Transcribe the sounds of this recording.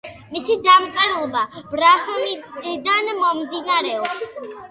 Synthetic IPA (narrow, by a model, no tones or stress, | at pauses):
misid̪amt̪sʼɛɾlɔbab̥ɾahmid̪anmɔmd̪inaɾɛɔps